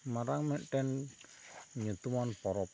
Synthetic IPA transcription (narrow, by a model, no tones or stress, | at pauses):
maɾaŋmɛʔʈ̪ɛn | ɲut̪umɔnpɔɾɔp